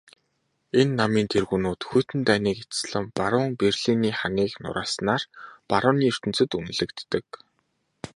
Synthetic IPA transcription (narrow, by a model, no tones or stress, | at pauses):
enːamiːnt̪ʰerɣuːnuːt̪xujʰt̪ɘ̆nt̪æːniːket͡s̪sɮə̆mpaɾʊːŋperɮiniːχaniːknʊ̰ɾaːsnaːrpaɾʊːniːɵr̥t̪ɘ̆n̥t͡sɘ̆t̪un̆ɮɘ̆kt̪ːɘ̆k